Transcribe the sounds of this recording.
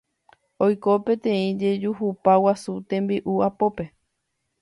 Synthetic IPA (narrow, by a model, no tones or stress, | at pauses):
ojko̞pẽ̞t̪ẽ̞ĩd͡ʒe̞d͡ʒuɦupawasut̪ẽ̞mbiʔuapo̞pe̞